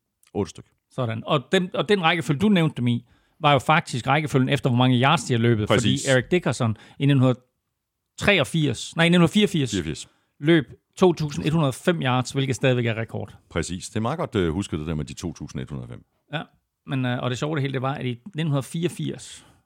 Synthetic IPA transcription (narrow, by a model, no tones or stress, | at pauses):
ʔɔ̽ːɾ̥əsd̥øɡ̥ | sɒ̽ɾ̥ænɒ̽d̥emɒ̽d̥enʁɑ̈ɪɡ̥əføld̥uneʊnd̥ːemi | ʋɑ̈jo̝fɑ̈ɡ̥̚d̥ʰisɡ̥ʁɑ̈ɪɡ̥əføljən̩efd̥ɐʋɒmɑ̈ŋəjɑ̈ːd̥sd̥iælø̰ːb̥ð̞̩ˠɒ̰̽ḭːeiɡ̥̚d̥e̝ɡ̥ʰɐsɒn | ineon̩hunɐð̩ˠ | t͡sʰʁɛ̰ːɒ̽fiɐ̰snɑɪnenunɐfiːɐfiɐ̰sfiɐ̰s | lø̰ːb̥ | t͡sʰo̝̰ːt͡sʰṵːsn̩e̝d̥hunɐð̞ˠɒfem̰jɑ̈ːd̥sʋe̝lɡ̥ð̩ˠsd̥ɛːð̞ˠiʋeɡ̥æʁɛkʰɒ̰ːd̥pʰʁɛsḭːsd̥e̝mɑ̈ːɡ̥ɒ̽d̥husɡ̥ðˠd̥e̝d̥æɐmed̥it͡sʰo̝̰ːt͡sʰṵːsn̩e̝̥hunɐðˠfem̰ | jæ | menʔɒ̽ɾ̥e̝ɕɒʊd̥eɦe̝ːld̥e̝ʋɑ̈æd̥inen̩hunɐðˠfiːɐɒfiɐ̰s